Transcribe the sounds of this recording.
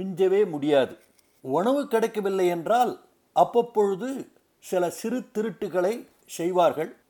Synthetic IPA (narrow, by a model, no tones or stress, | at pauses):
ɪɲd͡ʒɐʋeːmʊɽɪjaːðɯ | ʊɳɐʋɯkːɪɽɐɪkːɐʋɪlːɐɪɛndraːl | ʔɐpːɐpːɔɻɯðɯ | sɪlɐsɪɾɯt̪ːɪɾɯʈːɯɣɐɭɐɪ | sɛjʋaːɾɣɐɭ